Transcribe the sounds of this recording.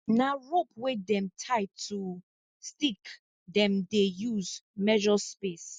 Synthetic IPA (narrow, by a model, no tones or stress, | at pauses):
naɹop̚wedɛ̃mtʰaɪtʰu | stik | dɛ̃mdejuzmɛʒɔspes